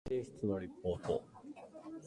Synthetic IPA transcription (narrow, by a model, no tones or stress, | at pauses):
eːɕi̥t͡sɨno̞ɾʲipːo̞ːt̪o̰